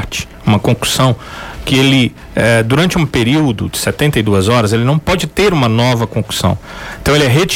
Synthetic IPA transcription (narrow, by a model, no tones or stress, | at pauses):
ɾt͡ʃɪ̥ | ũmɐkõklu̥sɐ̃w̃kɪelɪ | ɛd̪uɾɐ̃t͡ʃɪũpeɾiwd̪ʊd͡ʒɪsɛt̪ẽnt̪ɐid̪uɐzɔɾɐzelɪnɐ̃w̃pɔd͡ʒɪt̪eɾũmɐnɔvɐkõklu̥sɐ̰̃w̃ẽt̪ɐ̃w̃elɪɛɦet͡ʃ